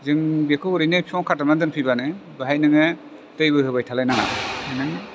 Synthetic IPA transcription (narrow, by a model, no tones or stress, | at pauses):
zɯŋbekʰɯɔɾijnɯpʰiɔŋkʰatanadɯnpʰibanɯbaɦajnɯŋe | tɯjbɯɦɯbajtʰalajnaŋa̰hajnɯŋ